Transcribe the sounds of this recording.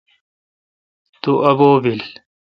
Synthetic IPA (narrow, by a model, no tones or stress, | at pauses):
t̪uʔɐboːbil